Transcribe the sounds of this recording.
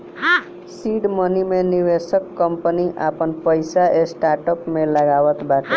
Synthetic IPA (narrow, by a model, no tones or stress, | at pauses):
siɖmʌnimeniʋesəkːəmpəniʔapənpəjsaʔesʈaɾʈəpmeləɡaʋət̪baʈe